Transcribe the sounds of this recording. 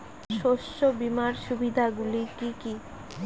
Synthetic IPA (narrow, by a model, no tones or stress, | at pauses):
ʃoʃːobimaɾʃubid̪ʱaɡulikiki